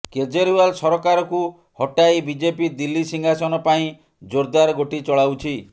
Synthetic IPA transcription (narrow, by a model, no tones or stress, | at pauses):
ked͡ʒeɾualsɔɾɔkaɾɔku | hɔʈajbid͡ʒepid̪ilːisiŋɡʱasɔnɔpaĩ | d͡ʒoɾd̪aɾɡoʈit͡ʃɔɭawt͡ʃʰi